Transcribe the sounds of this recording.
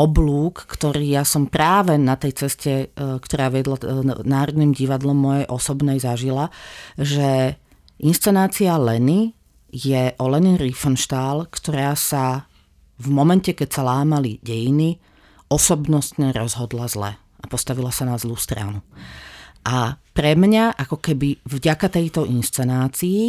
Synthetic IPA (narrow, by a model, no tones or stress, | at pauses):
ɔbluːkːt̪ɔɾiːjasɔmpɾaːʋɛnat̪ɛjt͡sɛscɛkt̪ɔɾaːʋɪɛd̪lanaːɾɔd̪niːmɟiʋad̪lɔmːɔjɛjʔɔsɔbnɛjzaʒilaʒɛ | ʔinst͡sɛnaːt͡sialɛni | jɛʔɔlɛniɾifɔnʃt̪aːlkt̪ɔɾaːsa | vmɔmɛncɛkɛcsalaːmaliɟɛjini | ɔsɔbnɔst̪ɲɛɾɔzɦɔd̪lazlɛ̰ | ʔapɔst̪aʋilasanazluːst̪ɾa̰nu | ʔapɾɛmɲaʔakɔkɛbivɟakat̪ɛjt̪ɔʔinst͡sɛnaːt͡siː